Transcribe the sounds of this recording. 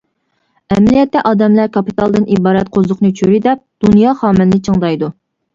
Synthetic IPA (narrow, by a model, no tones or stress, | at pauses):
ɛmlijɛt̪ːɛʔɑːd̪ɛmlæɾkʰɑpit̪ʰɑlˠd̪ɨnibɑːɾɛt̪̚qʰozʊqnɨt͡ʃʰøɾid̪ɛp̚d̪̥unjɑːχɑːmɪnːɨt͡ʃʰəŋd̪ɑjd̪u